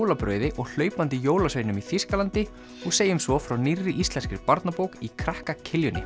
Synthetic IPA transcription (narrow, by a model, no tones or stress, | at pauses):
wlapɾœ̰ːɥðɪʔɔɣl̥œːɥpant̪ɪjoːwlaseːjnʏmifiskalant̪ɪ | ɔɣseːjʏmsvɔfɾawnirːɪʔist̪lɛnskɪɾɪpaɾt̪napowkikʰɾahkacʰɪljʏnːɪ̰